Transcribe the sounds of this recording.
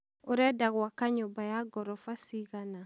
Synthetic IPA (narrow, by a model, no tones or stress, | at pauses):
oɾɛdaɡuwakaɲobajaɡɔɾɔfasiɡana